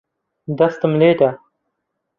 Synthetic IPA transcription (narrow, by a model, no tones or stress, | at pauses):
d̪ɐst̪əmleːʈa